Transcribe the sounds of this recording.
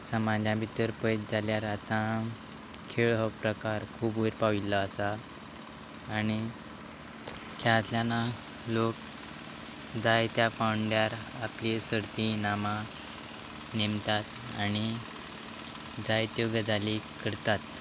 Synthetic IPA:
səmad͡ʑjãbit̪əɾpəjt̪d͡zʱaljaɾat̪ã | kʰeɭɦɔpɾəkaɾkʰuːbuɾpaʋilːaːsa | ñi | kʰat̪ljana | lok | d͡zajt̪japawɳɖjaɾ | aplisəɾt̪inamã | nemt̪at̪ | añi | d͡zajt̪joɡəd͡zʱalikəɾt̪at̪

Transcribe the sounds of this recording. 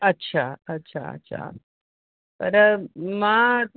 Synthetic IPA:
ətːɕʰaətːɕʰa̰ə̰tːɕʰa̰ | pəɾma

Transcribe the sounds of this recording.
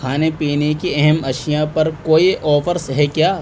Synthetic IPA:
aːnepiːnekiɛɦɛmɐʃijãpɐɾkoːiʔɔːfəɾsɦɛkjaː

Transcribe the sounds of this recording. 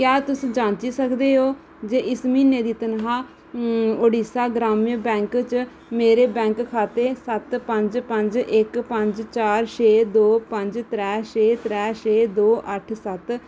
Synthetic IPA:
kjɛːt̪ʊsːd͡ʒaːnt͡ʃiːsəkd̪eːɦoː | d͡ʒeːʔɪsmiːneːd̪iːt̪ənɦaː | oːɽiːsaːɡɾaːmijbɛ̃ːŋkt͡ʃ | meːɾeːbɛ̃ːŋkkʰaːt̪eːsət̪pəɲd͡ʒpəɲd͡ʒɪkpəɲd͡ʒt͡ʃaːɾʃeːd̪oːpə̃ɲd͡ʒt̪ɾɛːʃeːt̪ɾɛːʃeːd̪oːʔəʈʰsət̪

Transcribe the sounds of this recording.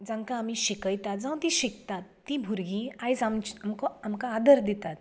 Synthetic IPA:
d͡zãŋkãːmiɕikəjt̪at̪̚d͡zãw̃t̪iɕikt̪at̪ːibʱuɾɡĩajsamt͡ɕamkɔamkaːd̪əɾd̪it̪at̪

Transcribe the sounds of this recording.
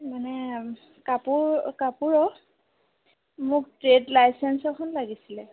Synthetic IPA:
manɛ | kapuɹkapuɹɔ | mʊk̚tɹedlajsɛnsɔkʰɔnlaɡisilɛ

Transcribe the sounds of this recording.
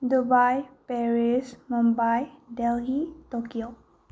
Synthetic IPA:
dubajpeɹismɔmbajdelɦitɔkio

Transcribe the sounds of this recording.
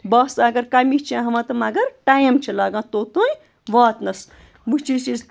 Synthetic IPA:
bɐsɐɡɐɾkɐmit͡ʃʰiãɦɐmɐ̃t̪ɐmɐɡɐɾʈaːjmt͡ʃʰilaːɡãːt̪oːt̪oːj | ʋaːt̪nɐs | but͡ʃʰisiz

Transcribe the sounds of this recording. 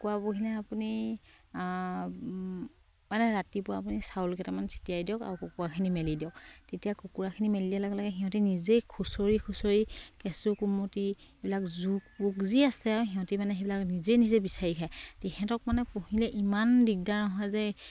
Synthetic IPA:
kuapokilɛapuni | manɛɹatipʊaːp̬unisaulkɛtamansʰi̥tijajdiɔka̰ɹukokuɹakʰinimelidijɔk̚tetijakokuɹakʰinimelilialaɡɛlaɡɛɦiɦɔ̃tinizekʰusoɹikʰusoɹikɛsukumoti | ebilakzuk̚pukziasɛaɹuɦiɦɔ̃timanɛɦebilaknizenizebisaɹikʰajtɛkʰɛtɔk̚manɛpohilɛʔimandik̚danɔɦɔjzɛ

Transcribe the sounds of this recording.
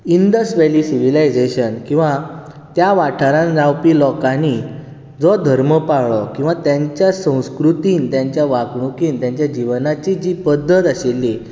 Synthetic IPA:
ind̪əsʋeliːsiʋ̤ilajd͡zeɕənkĩw̃ʋa | t̪jaʋaʈʰaɾãnd͡zawpiːlɔkani | d͡zɔd̪ʱəɾməpaɭɔkĩw̃ʋat̪jaɲt͡ɕjasə̃w̃skɾut̪iːnt̪jãɲt͡ɕjaʋaɡɳukiːnt̪jãɲt͡ɕjad͡ʑiʋnat͡ɕid͡ʑiːpəd̪ʱːət̪aɕelːi

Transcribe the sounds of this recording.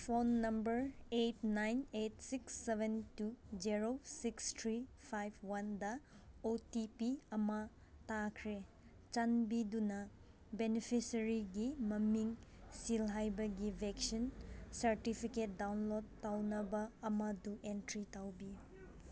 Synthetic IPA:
pʰonːɐmbɐɾetnajnet̚siksːebʱentud͡ʒiɾosikstʰɾi | pʰajb̚wandɐ | otipiɐmɐ | takʰɾe | t͡ʃanbidunɐ | benipʰisɐɾiɡimɐmiŋsilɦajbɐɡibʱeksinsɐɾtipʰiket̚dawnlodːawnɐbɐːmɐduʔentɾitawbi

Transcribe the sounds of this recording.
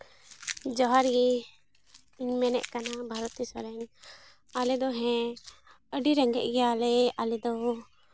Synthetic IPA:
d͡ʒɔɦaɾɡi | iɲmɛnɛ̰ʔkanabʱaɾɔt̪isɔɾɛɲ | alɛd̪ɔɦɛ̃ | əɖiɾɛŋɡɛ̰ʔ̚ˀɡɛjalɛalɛd̪ɔ

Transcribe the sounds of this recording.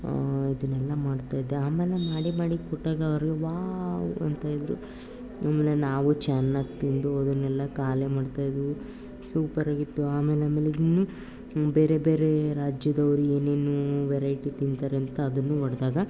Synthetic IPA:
id̪ɐnɛlːɐmaːɽt̪aːjd̪eaːmeːlemaːɽimaːɽikɔʈːaːɡɐːʋɐɾɡeʋaːwuɐ̰nt̪aːjid̪ɾṵ | aːmelenaːʋut͡ʃaːnːaːɡ̚t̪ind̪uɐd̪ɐnɛlːɐkaːlemaːɖt̪aːjd̪u | suːpɐɾaːɡit̪ːuaːmeːleaːmeleinːu | beːɾebeːɾe̞ɾaːd͡ʒjɐd̪ɐʋɐɾue̞ːne̞ːnuʋɛɾɐjʈit̪int̪aːɾeɐnt̪ɐːd̪ɐnːuʋɐɽd̪aːɡɐ

